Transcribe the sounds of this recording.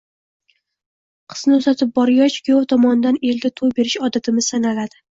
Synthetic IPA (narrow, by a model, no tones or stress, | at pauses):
qʰɨ̥z̥nɪozat̪ʰɪp̚bɒɾɡʲɒt͡ʃkʲjɒt̪ʰɒmɒnɪd̪ane̞lɡ̪ʲat̪ʰolbe̞ɾɪʃɒd̪ɪt̪ʰɪmɪz̥sanalad̪ɪ